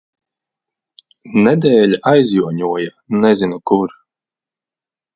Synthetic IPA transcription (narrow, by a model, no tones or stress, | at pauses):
nɛd̪ɛːlʲajzʲjuɔɲuɔja | nɛzinukuɾ